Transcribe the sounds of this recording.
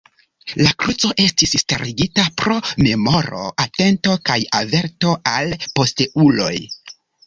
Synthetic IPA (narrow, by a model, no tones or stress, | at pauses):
lakɾut͡so̞ʔe̞stissteɾiɡitapɾo̞me̞mo̞ɾo̞̰ʔate̞nto̞kajave̞ɾto̞ʔalpo̞steʔulo̞̰j